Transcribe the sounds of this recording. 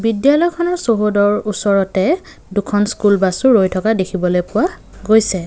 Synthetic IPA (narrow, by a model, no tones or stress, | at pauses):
bidjalɔjkʰɔnɔɹsoɦodɔɹusɔɹɔtɛ | dukʰɔnskulbasuɹojtʰɔkadekʰibɔlojpʊwa | ɡojsɛ